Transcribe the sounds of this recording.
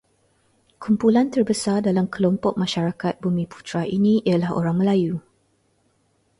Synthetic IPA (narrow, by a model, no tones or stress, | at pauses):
kumpulant̪ərbəsardalamkəlɔmpɔk̚mãʃaɾakat̪̚bumĩpu̥t̪ɾaʔinĩialaho̰ɾaŋməlaju